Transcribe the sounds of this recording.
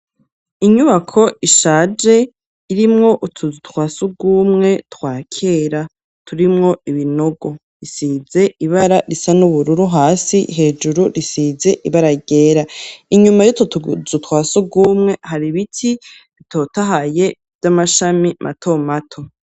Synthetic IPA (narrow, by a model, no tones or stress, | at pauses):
iɲuβakʰo̞ʔiʃaːd͡ʒe̞ | iɾimŋo̞ʔutʰuzutwaːsuɡuːmŋe̞twaːkʰe̞ːɾa | tʰuɾimŋo̞iβino̞ɡo̞ | ɾisiːze̞iβaɾaɾisanuβuɾuɾuɦaːsiɦe̞ːd͡ʒuɾuɾisize̞ʔiβaɾaɡe̞ːɾaiɲumajotozutwaːsuɡuːmŋe̞haɾiβitʰi | βitʰo̞taɦaje̞ | v̥jamaʃamimʔa̰tʰo̞matʰo̞